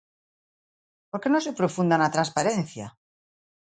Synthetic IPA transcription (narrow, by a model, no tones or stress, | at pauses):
poɾke̞nose̞pɾofund̪anat̪ɾanspaɾe̞nθja̰